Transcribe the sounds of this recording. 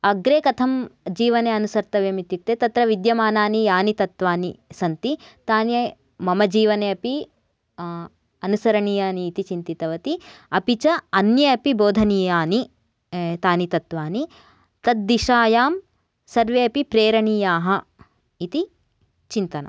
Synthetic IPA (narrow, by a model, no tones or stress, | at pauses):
ɐɡɾeːkɐt̪ʰɐmd͡ʒiːʋɐneːɐnusɐɾt̪ɐʋeːmit̪ːit̪ːeːt̪ɐt̪ɾɐʋid̪jɐmaːnaːnijaːnit̪ɐt̪ʋaːnisɐnt̪it̪aːnjɐ | mɐmɐd͡ʒiːʋɐneːɐpi | ɐnusɐɾɐɳijaːniːt̪it͡ʃint̪it̪ɐʋɐt̪iɐpit͡ʃɐɐnjɐɐpiboːd̪ʱɐnijaːni | t̪aːnit̪ɐt̪ʋaːni | t̪ɐt̪̚d̪iʃaːjaːm | sɐɾʋeːɐpipɾeːɾɐɳiːjaːɦɐ | it̪i | t͡ʃint̪ɐnɐ̰m